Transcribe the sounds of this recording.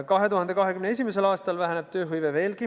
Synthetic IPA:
kɑɦe̞t̪uhɑnd̪e̞kɑɦe̞kymneesʲimes̬e̞lɑːst̪ɑlvæɦæneb̥̚t̪ø̞ːɦɯjveve̞ːlki

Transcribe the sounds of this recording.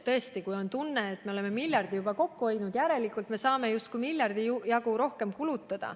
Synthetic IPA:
t̪ɤe̞st̪ikujo̞nt̪unːeːt̪me̞o̞le̞mːe̞milʲjɑrd̪ijubɑko̞kːuo̞jd̪nud̪̥jæɾe̞likːˑult̪me̞sɑːme̞just̪̚kuimilʲjɑrd̪̥ijɑɡuɾo̞hke̞mkulut̪ːˑɑd̪̥ɑ̰

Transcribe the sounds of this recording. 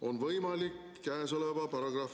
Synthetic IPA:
onʋəjmɑːlikːæsoleʋɑpɑɾɑɡrɑːf

